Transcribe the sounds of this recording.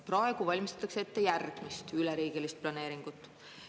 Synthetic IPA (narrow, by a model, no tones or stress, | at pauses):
prɑe̞ɡ̥uvɑlʲmist̪ɑt̪ɑksee̞t̪ːe̞jærɡ̥mist̪ylɛɾiːɡ̥elist̪̚plɑne̞ːɾiŋɡ̥ut̪ːˑ